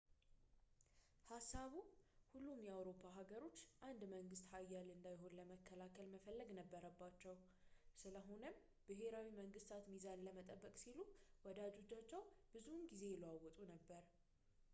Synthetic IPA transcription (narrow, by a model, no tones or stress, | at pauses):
hasːaβuhulːumjɛawɾo̞pʰːaɦaɡəɾo̞t͡ʃːʔand̪məŋɡɨst̪hajːalɨnd̪ajɦo̞nləməkʰːəlakʰəlməfəlːəɡnəbːəɾəbːat͡ʃːɛw | sɨləɦo̞nəm | bɨɦe̞ɾawiməŋɡɨst̪ʰat̪mizanləmət̪ʼəbːəkʼsiluwɔd̪ad͡ʒo̞t͡ʃːat͡ʃːɛwb̥ɨzunɡize̞jɛləwawɔt̪ʼunəbːəɾ